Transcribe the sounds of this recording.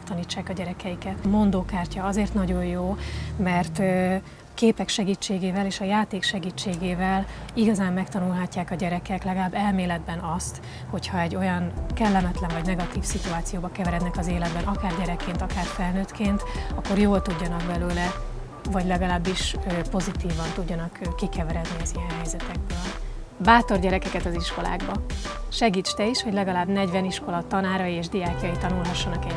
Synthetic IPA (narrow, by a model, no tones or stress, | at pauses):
kt̪ɒniːt͡ʃːaːkɒɟɛɾɛkɛjikɛt̪mo̞nd̪oːkaːrcɒɒzeːrt̪nɒɟo̞jjoːmɛrt̪ø | keːpɛkʃɛɡiːt͡ʃːeːɡeːvɛleːʃɒjaːt̪eːkʃɛɡiːt͡ʃːeːɡeːvɛliɡɒzaːmːɛkt̪ɒnulɦɒcːaːkɒɟɛɾɛkɛklɛɡɒlaːbːɛlmeːlɛd̪bɛnɒst̪ | ho̞chɒɛɟːo̞jɒnkɛlːɛmɛt̪lɛɱvɒɟnɛɡɒt̪iːfsit̪uaːt̪sijoːbɒkɛvɛɾɛd̪nɛkɒzeːlɛd̪bɛnʔɒkaːrɟɛɾɛkːeːnt̪ɒkaːrfɛlnøːt̪kʰeːnt̪ɒkːo̞rjoːlt̪uɟːɒnɒkbɛløːlɛ | vɒɟlɛɡɒlaːbːiʃøpo̞zit̪iːvɒnt̪uɟːɒnɒkkːikɛvɛɾɛd̪niɒzijɛnɦɛjzɛt̪ɛɡ̚bøːl | baːt̪o̞rɟɛɾɛkɛkɛt̪ɒziʃko̞la̰ːɡbɒʃɛɡiːt͡ʃt̪ɛiʃho̞ɟlɛɡɒlaːbnɛɟvɛniʃko̞lɒt̪ɒnaːɾɒjieːʒd̪ijaːkijɒjit̪ɒnulɦɒʃːɒnɒkɛ